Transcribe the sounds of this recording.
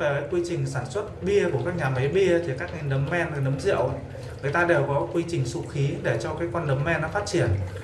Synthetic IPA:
ve˨˩kaː˨˦jkwi˧t͡ɕï˨˩ŋ̟saː˧˩nswə˦˥t̚ɓi˧əku˧˩əkaː˦˥k̚ɲaː˨˩ma˨˦jɓi˧ət̪ʰi˨˩kaː˦˥k̚ŋi˧˩nɗə˨˦mːɛ˧na˨˩jnə˨˦mzḭ˧˨əw | ŋɨ˨˩əjt̪aː˧ɗe˨˩wkɔ˨˦kwi˧t͡ɕï˨˩ŋ̟su˧xi˨˦ɗe˧˩t͡ɕɔ˧kaː˨˦jkwa˧nɗə˨˦mːɛ˧nːa˨˦faː˦˥t̚t͡ɕi˧˩ən

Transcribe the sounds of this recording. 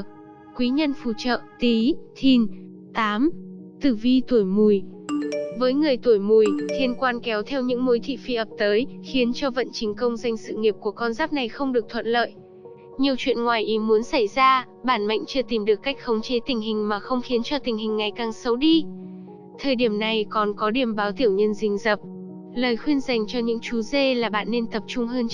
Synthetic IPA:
kwi˨˦ɲə˧nfṵ˧˩t͡ɕə̰ː˧˨t̪i˨˦t̪ʰi˧˩n | t̪aː˨˦mt̪ɨ˧˩vi˧t̪u˧˩əjmu˨˩j | vəː˨˦jŋɨ˨˩əjt̪u˧˩jmu˨˩jt̪ʰi˧ənkwaː˧nkɛ˨˦wt̪ʰɛ˧wɲɨ̰˧˥ŋmo˨˦jt̪ʰḭ˧˨fi˧ʔəː˨˩p̚t̪əː˨˦jxi˨˦ənt͡ɕɔ˧və̰˧˨nt͡ɕï˨˦ŋ̟kə˧wŋ͡mza˧jŋ̟sɨ̰˧˨ŋi˨˩p̚ku˧˩əkɔ˧nzaː˦˥p̚na˨˩jxə˧wŋ͡mɗɨ˨˩ək̚t̪ʰwə̰˧˨nlə̰ː˧˨jʔ | ɲi˨˩əwt͡ɕwḭ˧˨ənŋwaː˨˩jʔi˨˦mu˨˦ənsa˧˩jzaː˧ | ɓaː˧˩nma̰˧˨jŋ̟t͡ɕɨ˧ət̪i˨˩mɗɨ˨˩əkːa˦˥jk̟̚xə˨˦wŋ͡mt͡ɕe˨˦t̪ï˨˩ŋ̟ɦï˨˩ŋ̟maː˨˩xə˧wŋ͡mxi˨˦nt͡ɕɔ˧t̪ï˨˩ŋ̟hï˨˩ŋ̟ːa˨˩jkaː˨˩ŋsə˨˦wɗi˧ | t̪ʰəː˨˩jɗi˧˩əmna˨˩jkɔ˨˩nkɔ˨˦ɗi˨˧˩əmɓaː˨˦wt̪i˧˩əwɲə˧nzï˧˩ŋ̟zə˨˩p̚ | ləː˨˩jxwi˧ənza˨˩jŋ̟t͡ɕɔ˧ɲɨ̰˧˥ŋt͡ɕu˨˦ze˧laː˨˩ɓa̰ː˧˨nːe˧nt̪ə˨˩p̚t͡ɕʊ˧ŋ͡mɦəː˧n

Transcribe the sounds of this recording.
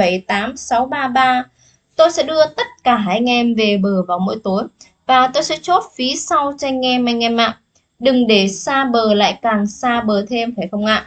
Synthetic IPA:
ə˧˩jt̪aː˨˦msa˨˦wɓaː˧ɓaː˧ | t̪o˧jsɛ̰˧˥ɗɨ˧ət̪ə˦˥t̚kaː˧˩ɦaː˧˩jŋɛ˧mve˨˩ɓəː˨˩vaː˨˩wmo̰˧˥jt̪o˨˦j | vaː˨˩t̪o˧jsɛ̰˧˥t͡ɕo˦˥t̚fi˨˦sa˧wt͡ɕa˧jŋ̟ŋɛ˧mʔa˧jŋ̟ɛ˧ma̰ː˧˨ŋ | ɗɨ˨˩ŋɗe˧˩saː˧ɓəː˨˩la̰ː˧˨jkaː˨˩ŋsaː˧ɓəː˨˩t̪ʰe˧mfaː˧˩jxə˧wŋ͡mʔa̰ː˧˨ʔ

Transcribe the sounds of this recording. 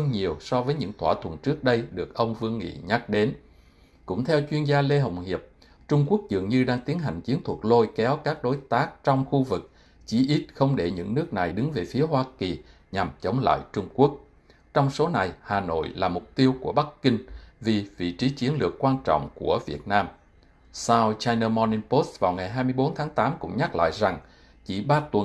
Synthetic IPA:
ə˧ŋɲi˨˩əwsɔ˧vəː˨˦jɲɨ̰˧˥ŋt̪ʰwaː˧˩t̪ʰwə̰˨˩nt͡ɕɨ˦˥ək̚ɗə˧jɗɨ˨˩ək̚ʔə˧wŋ͡mvɨ˧əŋŋḭ˧˨ɲa˦˥k̚ɗe˨˦n | kʊ̰˧˥ŋ͡mt̪ʰɛ˧wt͡ɕwi˧ənzaː˧le˧ɦə̰˨˩wŋ͡mhi˨˩əp̚ | t͡ɕʊ˧ŋ͡mku˦˥ək̚zɨ̰˨əŋɲɨ˧ɗaː˧ŋt̪i˨˦ənɦa̰˨˩jŋ̟t͡ɕi˨˦ənt̪ʰu˨˩ək̚lo˧jkɛ˨˦wkaː˦˥k̚ɗo˨˦jt̪aː˦˥k̚t͡ɕɔ˧wŋ͡mxu˧vɨ˨˩k̚ | t͡ɕi˧˩˦ʔi˦˥t̚xə˧wŋ͡mɗe˧˩ɲɨ̰˧˥ŋnɨ˦˥ək̚na˨˩jɗɨ˨˦ŋve˨˩fi˨˦əɦwaː˧ki˨˩ | ɲa˨˩mt͡ɕə˨˦wŋ͡mla̰ː˧˨jt͡ɕʊ˧ŋ͡mku˦˥ək̚ | t͡ɕɔ˧wŋ͡mso˨˦na˨˩jhaː˨˩no̰˧˨jlaː˨˩mʊ˨˩k͡p̚t̪i˧əwku˧˩əɓa˦˥kki˧ŋ̟vi˨˩vḭ˧˨t͡ɕi˨˦t͡ɕi˨˦ənlɨ̰˨˩əkːwaː˧nt͡ɕɔ̰˧˨ŋ͡mku˧˩əvi˨˩ət̚naː˧m | sa˧wt͡ɕaː˧jnəː˧mɔ˧ni˧npo˦˥svaː˨˩wŋa˨˩jɦaː˧jmɨ˧jɓo˨˦nt̪ʰaː˨˦ŋt̪aː˨˦mkʊ̰˧˥ŋ͡mɲa˦˥k̚la̰ː˧˨jza˨˩ŋ | t͡ɕḭ˧˩ɓaː˧t̪wə˨˩

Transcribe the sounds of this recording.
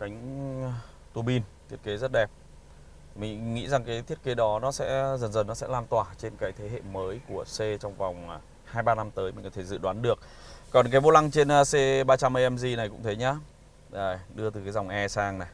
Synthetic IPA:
ka˨˦jŋ̟ | t̪u˧˩ɓi˧nt̪ʰi˦˥ət̚ke˨˦zə˦˥t̚ɗɛ˨˩p̚ | mï˨˩ŋ̟ŋḭ˧˥za˨˩ŋkaː˨˦jt̪ʰi˦˥ət̚ke˨˦ɗɔ˨˦nɔ˨˦sɛ̰˧˥zə˨˩nzə˨˩nɔ˨˦sɛ̰˧˥laː˧˩nt̪waː˧˩t͡ɕe˧nkaː˨˦jt̪ʰe˨˦ɦḛ˧˨məː˨˦jku˧˩əse˧t͡ɕɔ˧wŋ͡mva˨˩wŋ͡m | haː˧jɓaː˧na˧mt̪əː˨˦jmï˨˩kɔ˨˦t̪ʰe˧˩zɨ̰˧˨ɗwaː˨˦nɗɨ˨˩ək̚ | kːɔ˨˩nkaː˨˦jvo˧la˧ŋt͡ɕe˧nəː˨˧se˧ɓaː˧t͡ɕa˧mʔə˧jʔɛ˧mzi˧˩na˨˩jkʊ̰˧˥ŋ͡mt̪ʰə˨˦jɲaː˨˦ | ʔəː˨˩ɗɨ˧ət̪ɨ˨˩kːaː˨˦jza˨˩wŋ͡mʔɛ˧saː˧ŋna˨˩j

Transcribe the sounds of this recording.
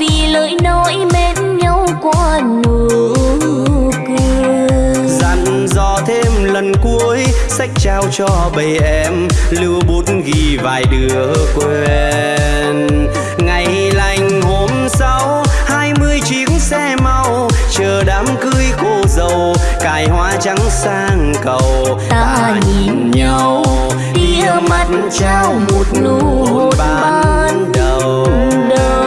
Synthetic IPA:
vi˨˩ləː˧˦jnɔ˨˧˦jme˨˦t | ɲə˧wkwaː˧ | nɨ˨˩˧ | kɨ˧ | za˨˧˩n | zɔ˧˩t̪ʰe˧mlə˨˩nku˨˦əjsa˦˥jk̟̚t͡ɕaː˧wt͡ɕɔ˧ɓə˨˩jʔɛ˧mlɨ˧wɓo˨˦nɣi˧˩va̰ː˨˩jɗɨ˨˩əkwe˧ | n | ŋa˨˩j | la˨˧˩jŋ̟ho˧˩msa˨˦w | haː˧jmɨ˧əjt͡ɕi˨˦əŋsɛ˧ma˧w | t͡ɕəː˨˩ɗaː˨˦mkɨ˧jko˧zə˨˩w | kaː˨˩jhwaː˧˦t͡ɕa˨˦ŋsaː˧ŋkə˨˩w | t̪a˧aː | ɲi˨˩nɲə˧w | ɗi˧ə˨˧mə˧˩t̚nt͡ɕa˧wmo˨˩t̚nu˧ | o˨˩tɓ̚ːə˧nɗə˨˩w | ɗə˨˩

